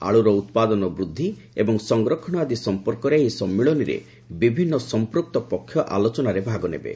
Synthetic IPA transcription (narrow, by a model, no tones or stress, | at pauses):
a̰ɭuɾɔut̪pad̪ɔnɔbɾud̪ʱːi | ebɔŋsɔŋɡɾɔkʰɔɽɔad̪isɔmpɔɾkɔɾejsɔmːiɭɔniɾḛ | bibʱinːɔsɔmpɾuk̚t̪ɔpɔkʰːjɔʔalɔt͡ʃɔnaɾebʱaɡɔnḛbḛ